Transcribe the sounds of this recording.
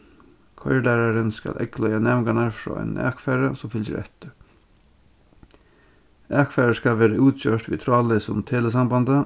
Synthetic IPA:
kʰɔ̰ʏəlæːɾɑɾənskɑ̰lʔɛ̰klœʏɑnɛʋŋɡɑnɑɾfɾɑ̰ːæ̰næ̰ːkfæɾəsɔmfʏlə̰ɾʔɛ̰t̪ə | ʔæːkfæːɾəskɑʋeːɾəʉːt̪ɕøːʈʋḭːt̪ʰɾɑːlɪsʊmt̪ʰeːləsɑmbɑnd̪ə

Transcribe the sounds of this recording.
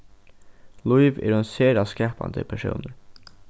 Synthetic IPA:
lʊiʋɪ̰ɾunseːɾɑskæːpɑ̰nd̪ə̰pʰæʃṵːnəɾ

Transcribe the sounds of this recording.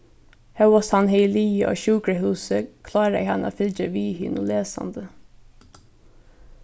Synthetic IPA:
hæwɔshɑnheɪliːʔo̰ːçʉːɡɾəhʉːsəkʰlɑːɾəæ̰hɑno̰ːfɪld͡ʒəʋiːhɪnuleːsɑ̰nd̪ə

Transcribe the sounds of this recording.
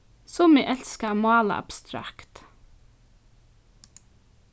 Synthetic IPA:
sɔmeːʔɛlskəmɑːlə̰ʔɑ̰b̥st̪ɾɑ̰kt̪

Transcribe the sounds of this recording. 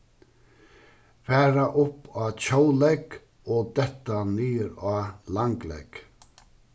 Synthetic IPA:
fæːɾaʔʊpɑːc͡çaʊlɛɡ | oːd̪ɛt̪anyːɾɑːlɑŋɡlɛ̰ɡ̥

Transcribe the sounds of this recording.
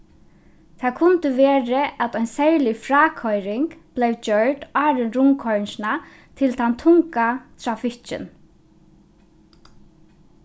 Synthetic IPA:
t̪ʰaːkʰʊnt̪əʋɛːɾəʔat̪ɔʏnsɛɹlɪfɾaːkʰɔjɾɪŋkb̥lejwd͡ʒœɹʈaːɾɪnɾʊŋkʰɔɹnsɪna | t̪ʰɪlt̪ʰant̪ʰʊŋkat̪ʰɾafɪht͡ʃɪ̰n

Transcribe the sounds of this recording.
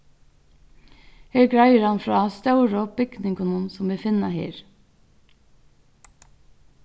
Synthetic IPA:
heːɹɡɹɑɪəɾɑnfɹɑːst̪ɑʉɾəɔp̚b̥ʏɡnɪŋkʊnuːnsɔmʋiːfɪnɑhḛːɾ

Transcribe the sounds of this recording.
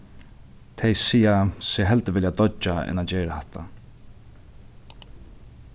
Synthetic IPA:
t̪ʰɛjsiːasɛːɦɛlt̪əʋɪljad̪ɔt͡ʃːaɛ̰nad͡ʒeːɹahɛht̪ʰa

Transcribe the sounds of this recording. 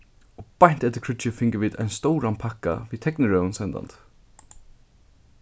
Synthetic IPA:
ɔpajɲn̥t̪ɛt̪ɪɾkʰɹʏt͡ʃɪfɪŋkəʋiːd̪a̰jnst̪ɔwɾanpʰakːa̰viːðt̪ʰɛknɪɹœnsɛnd̪a̰nt̪

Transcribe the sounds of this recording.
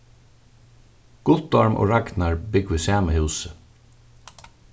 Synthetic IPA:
ɡ̥ʊt̪ɔɹmʔo̰ːɹaɡnaɹbɪɡʋɪsæːməhʉːsə

